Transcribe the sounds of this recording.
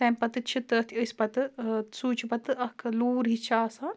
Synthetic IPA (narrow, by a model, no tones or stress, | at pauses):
sɛ̃ːmpɐt̪ɨt͡ʃʰit̪ɐt̪ʰiəspɐt̪ɨsuːt͡ʃʰipɐt̪ɨɐkʰɨluːɾɦit͡ʃʰaːsaː